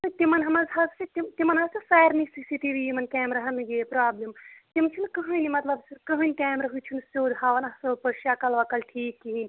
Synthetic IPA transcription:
t̪ɨt̪imɐnɦɐmɐzɦɐzset̪imt̪imɐnɦazsesaːjɾnisisiʈ̪iʋiimɐnkaːmɾɐɦɐnɡepɾaːblimt̪imt͡ʃʰunkɐɦɐjnimɐt̪lɐbsiɾkəɦənʲkʲaːmɾɐɦujt͡ʃʰunsoːd̪ɦaːʋɐnɐsoːd̪pɐʃakɐlʋakɐlʈʰiːkːiɦinʲ

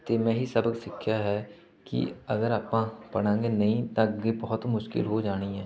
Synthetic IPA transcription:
t̪eːmɛ̃ːɦiːsəbəksɪkʰːjaːɦɛː | kɪ̰ə̰ɡəɾaːpãːpəɽ̃ãːɡeːnəĩːt̪ãːɡeːbɔːt̪mʊʃkɪ̰lɦoːd͡ʒaːɽ̃iːɦɛː

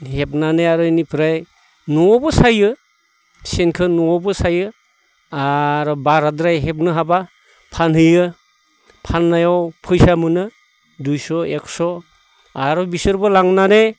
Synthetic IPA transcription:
hep̚naneaɾɔinipʰɾaj | nɔɔbɯsajɯ | senkʰɯnɔɔbɯsajɯ | aɾɔbaɾadɾajɦep̬̚nɯɦaba | pʰanɦɯjɯ | pʰanːajawpʰɯjsamɯnɯ | dujsɔeksɔ | aɾɔbisɯɾbɯlaŋnane

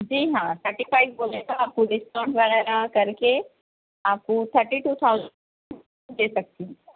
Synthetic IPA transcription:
d͡ʒiːɦãt̪ʰəɾʈifaɪk̚boːlek̪aaːp̚koɖɪsʈãːʈʋɛʁɛɾakɐɾke | aːp̚kot̪ʰəɾʈiʈuːt̪ʰaʊzə | d̪eːsɐk̚t̪iɦ

